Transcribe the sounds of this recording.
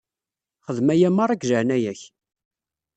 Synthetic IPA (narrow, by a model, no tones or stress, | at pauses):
χəðmæjæmːɑɾˤæɡʒəʕnæjæç